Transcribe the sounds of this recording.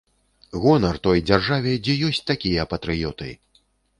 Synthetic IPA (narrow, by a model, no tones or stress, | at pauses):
ɣɔnɐrt̪ɔjd͡zʲarʐavʲɛd͡zʲɛjɔsʲt͡sʲt̪akʲijɐpɐt̪ɾɨjɔt̪ɨ̰